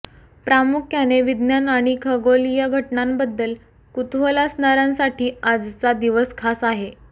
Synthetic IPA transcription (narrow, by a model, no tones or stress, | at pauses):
pɾamukʰjaneʋid̪njanaɽ̃ikʰəɡolijəɡʱəʈɳambəd̪ːəl | kut̪ʋəlasnaɾãnsaʈiːad͡zt͡sad̪iʋəskʰasaɦe